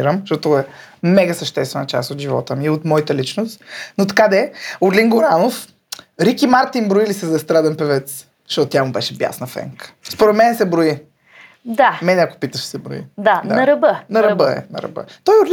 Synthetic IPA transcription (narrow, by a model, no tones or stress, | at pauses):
iɾəmʃt̪ɔt̪oɛmɛɡəsəʃt̪ɛst̪vɛnət͡ʃa̰st̪ot̪ʒivɔ̰t̪əmiot̪mɔjit̪əlit͡ʃnost̪not̪ɐ̥kad̪ɛoɾliŋɡoɾanof | ɾikimaɾt̪inbɾoilisɛzɐɛst̪ɾad̪ɛnpɛvɛt̪s | zʃt̪ɔt̪ot̪ʲjamʊbɛʃɛbja̰snəfɛ̰ŋkə̥spoɾɛt̪mɛnɛsɛbɾoi | d̪amɛnɛako̥pit̪əʃsɛbɾo̰ḭd̪ad̪naɐɾɐbənɐɾɐbəɛ̰nɐ̰ɾɐ̰bə̰ɛt̪ɔjʊɾl